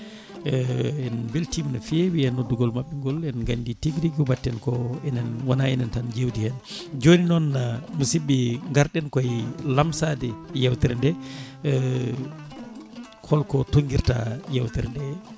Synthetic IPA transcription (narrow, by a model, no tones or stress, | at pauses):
ɛɛnbiltimnafewiɛnodːuɡɔlmaɓːɛŋɡɔlɛnɡanditiɡɾiɡubatːɛnkɔɛnɛnwanaɛnɛntand͡ʒewdihɛnd͡ʒoninɔnːamusibːiŋɡaɾɗɛnkɔjlamsadɛjɛwtɛɾɛndɛ | kʰɔlkɔtoŋɡiɾta̰jɛwtɛɾndɛ